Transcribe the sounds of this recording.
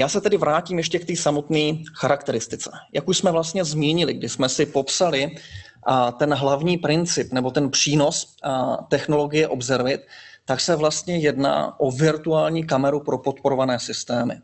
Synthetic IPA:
jaːsɛt̪ɛdɪvɾaːciːmjɛʃcɛkt̪iːsamo̞t̪niːxaɾakt̪ɛɾɪst̪ɪt͡sɛ̰jakuʃsmɛvlast̪ɲɛzmɲiɲɪlɪɡdɪsmɛsɪpo̞psalɪ | t̪ɛnɦlavɲiːpɾɪnt͡sɪpnɛbo̞t̪ɛnpr̝̥iːno̞s | t̪ɛxno̞lo̞ɡɪjɛʔo̞bzɛɾvɪt̪ːaksɛvlast̪ɲɛjɛdna̰ːʔo̞vɪɾt̪uaːlɲiːk̬amɛɾupɾo̞po̞t̪po̞ɾovanɛːsɪst̪ɛːmɪ̰

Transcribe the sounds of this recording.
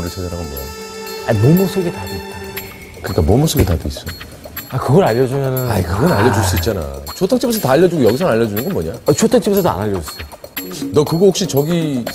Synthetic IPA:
ɾɯɭt͡ɕʰedaɾɦaɡomoja̰amomɯsʰoɡetaduit̚t͈a | kɯɲik͈amomos͈ʰoɡetaduis͈ʌ | akɯɡʌɾaʎːʌd͡ʑumjʌnɯnaɲikɯɡʌnaʎːʌd͡ʑuɭs͈uit̚t͡ɕ͈ana̰t͡ɕʰotʰaŋt͡ɕʰibusʰʌtaːʎːʌd͡ʑuɡojʌɡisʰʌŋaʎːʌd͡ʑunɯnɡʌnmʌɲaat͡ɕʰotʰaŋt͡ɕʰibusʰʌsa̰naʎːʌd͡ʑust͈ao | nʌkɯɡʌhok̚ɕ͈it͡ɕʌɡi

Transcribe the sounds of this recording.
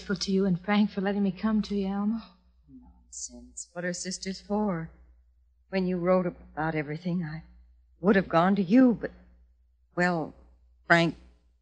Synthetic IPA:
fl̩ˠtʰɨjɨɨ̃nfɹæ̃ŋkfə˞lɛɾɪ̃ŋmikʰʌ̃mtʰɨjɛlˠmə | no | sɛ̃nsb̥ʌɾə˞sɪstə˞z̥fə˞ | wɨ̃njɨɹoʊɾɨbaʊɾɛvɹiθɪ̃ŋaɪ | wʊɾɨvɡɔ̃ntɨjɨbʌt̚ | wɛlˠ | fɹæ̃ŋk̚

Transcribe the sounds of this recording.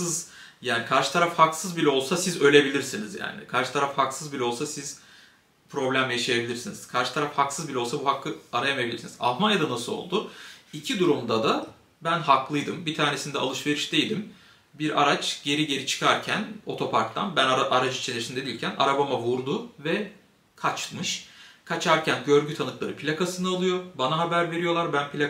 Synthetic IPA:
ɯzjaːnikʰaɾʃɯ̥t̪ʰaɾafhaksɯzbilʲɛo̞lˠsasizø̞lʲe̞bilʲiɾsinizja̰ːnḭkʰaɾʃɯ̥t̪ʰaɾafhaksɯzbilʲɛo̞lˠsasiz̥ | pʰɾo̞blʲæmjeʃajebilʲiɾsiniz̥kʰaɾʃɯt̪ʰaɾafhaksɯzbilʲɛo̞lˠsabuɦakʰːɯaɾajame̞bilʲiɾsiniza̰lˠmanjad̪anasɯlˠo̰lˠd̪ʊicʰid̪uɾumd̪ad̪a | bænɦaklˠɯjd̪ɯmbit̪ʰaːɾne̞sind̪ɛa̰lˠɯʃve̞ɾiʃd̪e̞jd̪im | biɾa̰ɾat͡ʃɟe̞ɾiɟe̞ɾit͡ʃʰɯ̥kʰaɾcʰæno̞̰t̪ʰo̞pʰaɾkt̪ʰa̰nbænaʔaɾad͡ʒɯt͡ʃʰelʲeɾsind̪ed̪ilʲcʰæna̰ɾabamavuɾd̪ʊvɛ | kʰat͡ʃmɯʃkʰat͡ʃʰaɾcʰænɟø̞ɾɟyt̪ʰanɯklˠaɾɯpʰlʲakasɯnɯalˠɯjo̞ɾbanaɦabæɾve̞ɾijo̞lˠaɾbænpʰlʲa

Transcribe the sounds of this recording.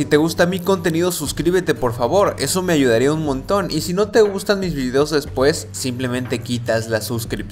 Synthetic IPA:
sit̪e̞ɣust̪amiko̞nt̪e̞niðo̞suskɾiβe̞t̪e̞po̞ɾfaβo̞ɾe̞so̞me̞aʝuð̞aɾiaunmõ̞nt̪o̞nisino̞t̪e̞ɣust̪anmizβiðe̞ozðe̞spwe̞sːimple̞mẽ̞nt̪e̞kit̪azlasuskɾip̚

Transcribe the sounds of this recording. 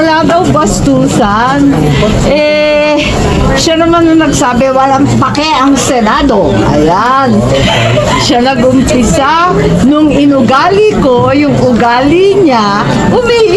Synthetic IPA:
ɐlaːd̪ɐwbɐst̪uːsɐ | n | ʔɛ | ʃanɐmanːɐnɐɡsaːbɛwɐlaŋpɐkɛʔɐŋsɛnad̪o̞ | ʔɐ̰ja | n | ʃanɐɡʔʊmpɪsa | nʊŋɪnʊɡaːlɪko̞jʊŋʊɡaːlɪɲa | kʊmiʔ

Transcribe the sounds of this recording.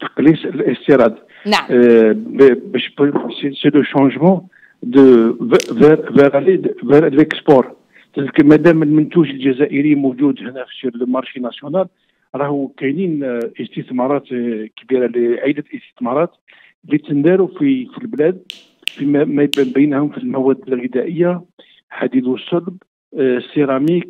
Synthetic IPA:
t̪ə̥qlisələst̪iɾˤɑd̪ | bbæʃbseseləʃɑ̃ʒmɑ̃ | d̪əvɛɾveɾlvɛɾləkspuɾˤ | t̪əkmæd̪æməlmənt̪uʒəlʒæzæʔəɾimuʒud̪hnæfʃiɾləmɑɾˤʃinæsjonæl | ɾˤɑhukæninʔəst̪əθmɑɾˤɑt̪kbiɾaliʕid̪ət̪əst̪ə̥θmɑɾˤɑt̪ | lːit̪ənd̪æɾufifilblæd̪̚ | fimæmæbbəjːnhʊmfilmæwæd̪ːəlɣəd̪æʔəjːa | ħad̪id̪usˤːɑlb | siɾɑmik̚

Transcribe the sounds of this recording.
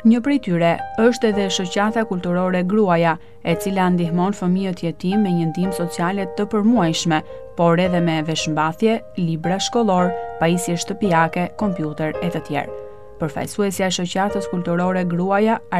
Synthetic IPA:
ɲəpɾit̪yɾɛəʃt̪ɛðɛʃɔt͡ɕat̪akulʲt̪uɾɔɾɛɡɾuaja | ɛt͡siland̪iɦmɔnfəmijət̪əjɛt̪imɛɲənd̪imsɔt͡sialɛt̪əpəɾmuajʃmɛ | pɔɾɛðɛmɛvɛʃmbaθjɛ | libɾaʃkɔlˠɔɾpaisjɛʃt̪əpiakɛkɔmpjut̪ɛɾɛt̪ət̪jɛ̰ɾ | pəɾfa̰jsuɛsjaɛʃɔcat̪əskulʲt̪uɾɔɾɛɡɾuaja

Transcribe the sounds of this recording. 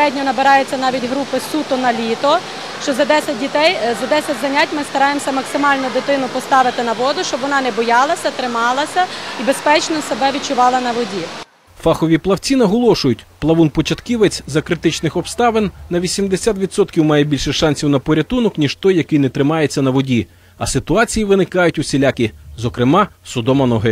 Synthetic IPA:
ɛdʲnʲɔnɐbeɾɑjet͡sʲːɐnɑʋʲitʲɦɾupɪsut̪ʊnɐlʲit̪ɔ | ʃt͡ʃɔzɐd̪ɛsʲɐt̚ʲdʲit̪ɛjzɐd̪ɛsʲɐtʲzɐnʲatʲmɪst̪ɐɾɑjemsʲɐmɐksɪmɑlʲnʊd̪ɪt̪ɪnʊpɔst̪ɑʋɪt̪ɪnɐʋɔd̪ʊʃt͡ʃɔbʋɔnɑnɛbɔjɑlˠɐsʲɐt̪ɾɪmɑlˠɐsʲɐibespɛt͡ʃnɔsebɛʋʲit͡ʃʊʋɑlˠɐnɐʋɔdʲi | fɑxɔʋʲiplˠɐwt͡sʲinɐɦɔlˠɔʃʊjʊtʲplˠɐʋunpɔt͡ʃɐt̪kʲiʋet͡sʲzɐkɾɪt̪ɪt͡ʃnɪxɔpst̪ɑʋenːɐʋʲisʲimd̪esʲat̪ʋʲid̪sɔt̪kʲiwmɑjɛbʲilʲʃɛʃɑnʲsʲiwnɐpɔɾʲɐt̪unɔknʲiʃt̪ɔjːɐkɪjnɛt̪ɾɪmɑjet͡sʲːɐnɐʋɔdʲi | ɐsɪt̪ʊɑt͡sʲijiʋɪnɪkɑjʊtʲʊsʲilʲakʲizɔkɾɪmɑsʊd̪ɔmɐnɔɦɪ

